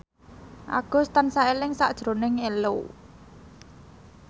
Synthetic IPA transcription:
ʔa̰ɡ̥ʊ̤st̪ansaelɪŋsaʔd̥ʒ̥ɾo̤nɪŋelo̰

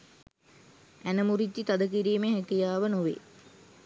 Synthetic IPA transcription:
ænəmuɾit̪ːit̪ad̪ək̬iɾiːmeɦækijaːʋənoʋḛ

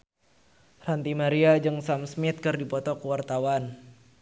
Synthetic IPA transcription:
rant̪imaɾiad͡ʒɨŋsamsmɪt̪̚kɨrdipɔt̪ɔkuwart̪awan

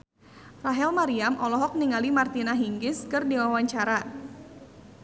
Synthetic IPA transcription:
raɦɛlmaɾiamʔɔlɔɦɔk̚niŋalimart̪inaɦiŋɡɪskɨrdiwawaɲt͡ʃaɾa

